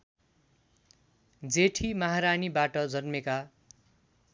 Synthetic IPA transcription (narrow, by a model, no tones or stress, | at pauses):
d͡zeʈʰimʌɦaɾanibaʈʌd͡zʌnmeka